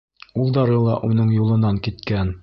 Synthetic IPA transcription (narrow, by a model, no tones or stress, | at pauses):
ulˠd̪ɑɾɤlˠɑʔunɤɴjulˠɤ̆nɑŋkit̪kæn